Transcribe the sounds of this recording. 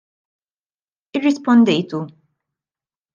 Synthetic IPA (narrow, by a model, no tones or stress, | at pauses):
ɪrːɪspɔnd̪ɛjt̪u